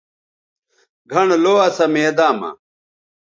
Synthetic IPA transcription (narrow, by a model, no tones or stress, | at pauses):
ɡʱɐnloːɐsɐmeːd̪aːmɐ̰